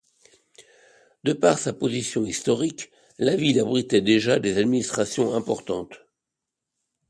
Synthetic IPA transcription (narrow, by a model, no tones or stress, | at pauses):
d̪əpaʁsapozisjɔ̃ist̪ɔʁik | lavilabʁit̪ɛd̪eʒad̪ezad̪minist̪χasjɔ̃ɛ̃pɔʁt̪ɑ̃t̪